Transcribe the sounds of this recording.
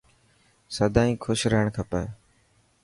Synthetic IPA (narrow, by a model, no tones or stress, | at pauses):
səd̪ʱãːĩːkʰʊʃɾəɦəɳkʰəpə